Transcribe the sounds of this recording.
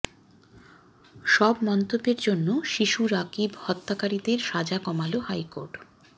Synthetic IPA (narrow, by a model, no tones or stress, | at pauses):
ʃɔbmɔnt̪obːeɾd͡ʑonːoʃiʃuɾakibhɔt̪ːakaɾid̪eɾʃad͡ʑakɔmalohajkoɾʈ